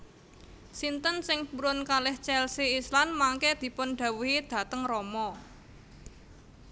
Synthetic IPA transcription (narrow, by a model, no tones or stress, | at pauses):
sint̪ənsɪŋpuɾʊnkalɪht͡ʃɛlsiislanmaŋkɛd̪̥i̤pʊnɖ̪̥a̤wuɦid̪̥ä̤t̪əŋrɔmɔ